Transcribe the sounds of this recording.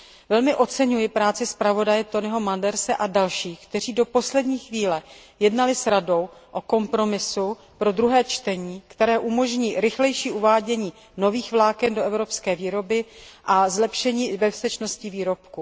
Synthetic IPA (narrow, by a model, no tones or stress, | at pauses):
vɛlmɪʔo̞t͡sɛɲujɪpɾaːt͡sɪspɾavo̞dajɛt̪o̞nɪɦo̞mandɛɾsɛʔadalʃiːxkt̪ɛr̝iːdo̞po̞slɛdɲiːxviːlɛjɛdnalɪsɾado̞wʔo̞ko̞mpɾo̞mɪsu | pɾo̞d̪ɾuɦɛːt͡ʃt̪ɛɲiːkt̪ɛɾɛːʔumo̞ʒɲiːɾɪxlɛjʃiːʔuvaːɟɛɲiː | no̞viːxvlaːkɛndo̞ɛvɾo̞pskɛːviːɾo̞bɪʔazlɛpʃɛɲiːbɛfst̪ɛt͡ʃno̞scɪviːɾo̞pku